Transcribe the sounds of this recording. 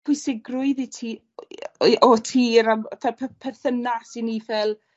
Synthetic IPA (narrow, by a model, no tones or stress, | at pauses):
pʰʊjsɪɡrʊɨðitʰiː | ʔɔtʰiːɾamtʰapʰpʰɛrθənasinːiːvɛlˠ